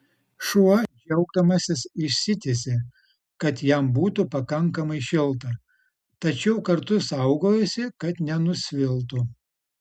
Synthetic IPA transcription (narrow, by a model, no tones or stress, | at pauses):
ʃuɐd͡ʒʲɛʊɡ̚d̪ɐmɐsʲɪsɪʃʲsʲɪt̪ʲesʲɪ | kɐt̪jɛmbuːt̪ʊpɐkɐŋkɐmɐɪʃʲɪlˠt̪ɐ | t̪ɐt͡ʃʲɛʊkɐɾt̪ʊsɐʊɡoːjɛsʲɪkɐt̪nʲɛnʊsʲʋʲɪlˠt̪ʊ